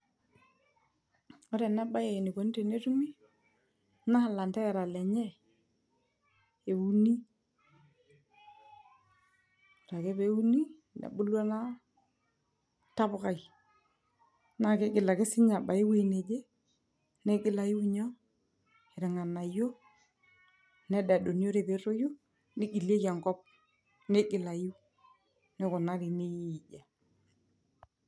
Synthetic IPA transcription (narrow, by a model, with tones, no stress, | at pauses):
ɔ˦ɾɛ˨na˦ba˦je˨ni˨ko˨n˦te˨ne˦tu˦mi˦ | na˦˨la˨nta˦ɛ˨ɾa˨lɛ˨ɲɛ˦ | e˨u˨ni˦˨ | ɾa˨ke˦be˦u˦ni˦ | nḛ˨bʊ˦lwa˦na˦ | ta˦bʊ˨ka˨i˨ | na˦ke˦ɡɪ˨la˨kɪ˦sɪ˦ɲa˨ba˨ɪ˦we˦ne˨d͡ʒe˦ | ne˦ɡɪ˦la˨ji˦wɲɔ˦ | e˨ɾɪ˨ŋa˨na˨jo˦ | nɛ˦da˨do˨n˦jo˦ɾe˨be˨˦ɾo˦jo˦ | nɪ˦ɡi˨lje˦ka˨ŋkɔ˦p̚ | ne˦ɡɪ˨la˨ji˦ | nɪ˦kʊ˨na˦ɾi˨ne˦ji˨d͡ʒa˨